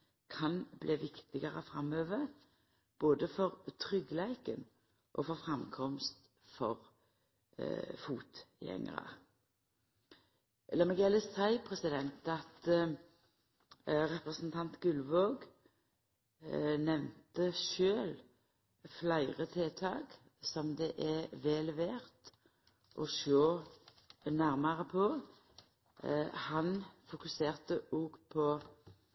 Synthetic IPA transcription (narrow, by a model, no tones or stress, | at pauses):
kʰɑnbleːʋɪkt̪ɪɡəʁə̰fʁɑmøːʋəʁ | b̥oːd̪əfɔʁt̪ʰʁʏɡlæɪkən | ʔɔfɔfʁɑmkʰɔmst̪ | fɔʁ | fuːt̪jɛ̰ŋ̰ʁə̰ | lɑmɪɡɛləsæɪpʰʁɛsɪd̪ɛnt̪ɑt̪ | ʁɛpʁəsn̩t̪ʰɑnt̪ɡʉlʋoːɡ | nɛʋnt̪əʃøːl | flæɪʁət̪ʰeːt̪ʰɑ̰ːɡ | sɔmd̪ɛʔɛʋɛːlɛʋeːʁt̪ | ʔɔʃoː | næʁməʁəpʰɔ | hɑnfʊkʉseːʁt̪əuːɡpʰɔ